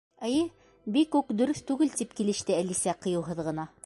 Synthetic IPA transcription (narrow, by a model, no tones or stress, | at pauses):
æjɘ | bikːʉkd̪ɵ̆ɾɵθt̪ʉɡɘlt̪ipkilɘ̆ʃt̪ɘælisæqɤ̆jɤ̆wɦɤðʁɤ̆nɑ